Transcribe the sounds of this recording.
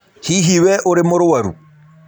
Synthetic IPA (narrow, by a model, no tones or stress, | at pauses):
hiɦiwɛʔoɾemoɾowaɾṵ